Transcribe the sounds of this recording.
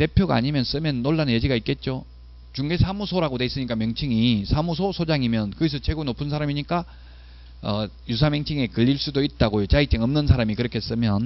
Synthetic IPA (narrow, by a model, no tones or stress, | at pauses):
te̞pʰjoɡa̰ːɲimjʌns͈ɯmjʌnːoɭːanɯjed͡ʑiɡait̚k͈e̞t̚t͡ɕ͈o | t͡ɕuŋɡe̞sʰamusʰoɾaɡodeis͈ɯɲik͈amjʌŋt͡ɕʰiŋisʰamus̬ʰosʰod͡ʑaŋimjʌnkɯɡis̬ʰʌt͡ɕʰwe̞ɡonopʰɯns̬ʰaɾamiɲik͈a | ʌjus̬ʰamjʌŋt͡ɕʰiŋe̞kɯʎːiɭs͈udoit̚t͈aɡojot͡ɕait͡ɕ͈eŋʌmnɯnsʰaɾamikɯɾʌkʰes͈ɯmjʌn